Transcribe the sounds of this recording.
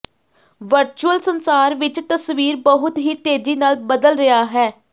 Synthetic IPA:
ʋəɾt͡ʃuəlsənsaːɾʋɪt͡ʃt̪əsʋiːɾbəɦʊt̪ɦiːt̪eːziːnaːlbəd̪əlɾɪaːɦɛː

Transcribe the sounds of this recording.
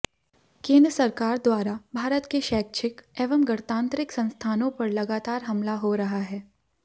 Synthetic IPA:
kẽːnd̪ɾəsɐɾkaːɾd̪waːɾabʱaːɾət̪keʃɛːk̚t͡ʃɪkeːʋəmɡɐɽt̪ãːnt̪ɾɪksɐ̃nst̪ʰaːnõpɐɾlɐɡaːt̪aːɾɦɐmlaɦoɾɐɦaɦɛː

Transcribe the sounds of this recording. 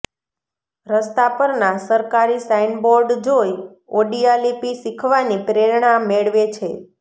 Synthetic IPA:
ɾəst̪apəɾnasəɾkaɾisainboɾɖd͡ʒoj | oɖialipisikʰʋanipɾeɾɳameɭʋet͡ʃʰe

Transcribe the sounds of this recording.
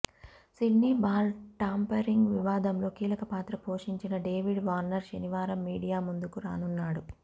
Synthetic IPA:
siɖniːbaːlʈaːmpɐɾiŋɡʋiʋaːd̪ɐmlo̞ːkiːlɐkɐpaːt̪ɾɐpo̞ːʂiɲt͡ʃinɐɖeːʋiɖʋaːɾnɐɾʃɐniʋaːɾɐmːiːɽijaːmund̪ukuɾa̰ːnunːaːɽu

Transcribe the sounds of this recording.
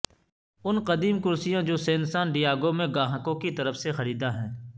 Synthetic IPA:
ʊnqɐd̪iːmkʊɾsijãd͡ʒoːseːnsaːnɖijaːɡomẽɡãːɦəkõkit̪ɐɾəfsexɐɾiːd̪aɦɛ̃ː

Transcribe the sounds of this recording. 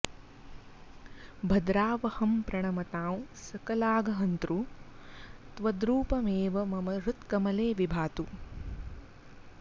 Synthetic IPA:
bʱɐd̪ɾaːʋɐhɐmpɾɐɳɐmɐt̪aːwsɐkɐlaːɡɐɦɐnt̪ɾu | t̪ʋɐd̪ɾuːpɐmeːʋɐmɐmɐɾut̪kɐmɐleːʋibʱaːt̪u

